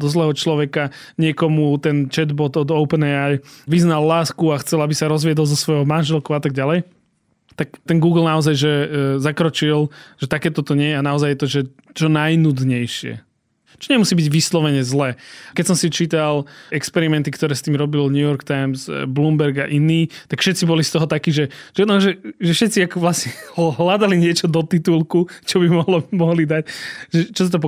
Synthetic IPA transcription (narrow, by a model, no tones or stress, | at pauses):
d̪ɔzlɛːɦɔt͡ʃlɔʋɛka | ɲɪɛkɔmut̪ɛnt͡ʃɛd̪bɔd̪ɔd̪ɔʊpənɛajʋiznalːaːskuaxt͡sɛlabisaɾɔzʋɪɛd̪ɔlˠzɔsʋɔjɦɔmanʒɛlkɔʊat̪aɡ̚ɟalɛj | t̪akt̪ɛnɡuːɡl̩ˠnaɔzajʒɛzakɾɔt͡ʃilʒ̥ɛt̪akɛːt̪ɔt̪ɔɲɪɛjɛanaɔzajːɛt̪ɔʒɛ | t͡ʃɔnajnud̪ɲɛjʃɪɛ̰ | t͡ʃɔɲɛmusiːbiɟʋislɔʋɛɲɛzlɛːkɛcsɔmsit͡ʃiːt̪alɛkspɛɾimɛnt̪ikt̪ɔɾɛːst̪iːmɾɔbilɲjujɔɾkt̪ajmzblumbɛɾɡa̰ʔiniːt̪akfʃɛt̪t͡sibɔlist̪ɔɦɔt̪akiːʒɛʒ̥ɛnɔʒɛʒɛfʃɛt̪t͡siakɔʋlasɲɛɦlad̪aliɲɪɛt͡ʃɔd̪ɔt̪it̪ulkut͡ʃɔbimɔɦlɔmɔɦlid̪acʒɛt͡ʃɔs̬at̪ɔp̬ɔ